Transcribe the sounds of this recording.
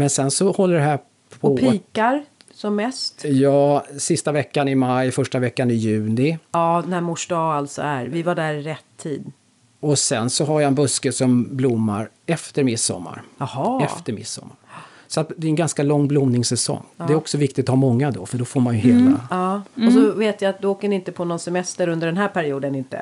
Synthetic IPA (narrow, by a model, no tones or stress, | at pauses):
mɛnsɛnsɔhɔlːəɖɛɦæː | pʰɔpʰiːkaɾ | sɔmːɛst̪jɑːsɪst̪avɛkːanɪmajfœʂʈavɛkːanɪjʉ̟ːnɪɑːd̪næmʊʂɖɑːalt̪sɔ̰æɾvɪvaɖæɾɾɛt̪ʰːiːd̪ | ɔsɛnsɔɦaɾjaɛnbɵskəsɔmblʊmːa̰ɾ | ɛft̪əɾmɪsːɔ̰mːa̰ɾhɛft̪əɾmɪ̰sːɔ̰mːa̰ɾ | sɔat̪d̪ɛɾɛnɡanskalɔŋːblʊmnɪŋsɛsɔ̰ŋːɛɾɔksɔvɪk̚t̪ɪt̪haɾmɔŋːad̪ɔ̰fœɖɔfoːɾmanjɵheːla̰ɑːɔsɔveːt̪jaat̪̚d̪ɵoːkənɪɪnt̪əpʰɔnɔnsɛmɛst̪əɾɵnd̪əɖɛnɦæːɾpʰæɾɪuːd̪ənɪnt̪ə̰